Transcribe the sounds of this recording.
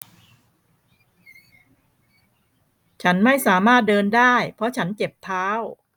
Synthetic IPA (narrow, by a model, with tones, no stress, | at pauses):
t͡ɕʰa˦˥nma˥˩jsaː˩˦maː˥˩t̪̚dɤː˧ndaː˥˩jpʰɔ˧˥t͡ɕʰa˦˥nt͡ɕe˨˩p̚t̪ʰaː˦˥w